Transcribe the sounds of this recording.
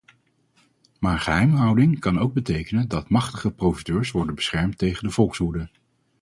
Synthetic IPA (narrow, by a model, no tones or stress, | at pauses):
maːɹχəɦɛjmɦʌwdɪŋkɑnowɡ̚bətejkənəndɑtmɑχtəχəprowfidøːɹsʋɔɹdənbə̥sχɛɹmtejχəndəv̥ɔlˠksɦudə